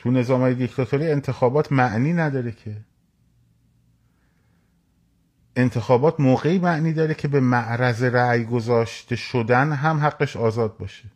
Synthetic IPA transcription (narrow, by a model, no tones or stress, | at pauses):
t̪ʰune̞zɒːmhɒːje̞d̪ikt̪ʰɒt̪ʰoɾiːe̞nt̪ʰe̞xɒːbɒːt̪ʰmæʔniːnæd̪ɒːɾe̞kʰe̞ | ʔe̞nt̪ʰe̞xɒːbɒːt̪ʰmoːɣe̞iːmæʔniːd̪ɒːɾecʰe̞be̞mæʔɾæzeɾæːjɡo̞zɒːʃt̪e̞ʃod̪ænɦæmɦæɡːeʃɒːzɒːd̪̚bɒːʃe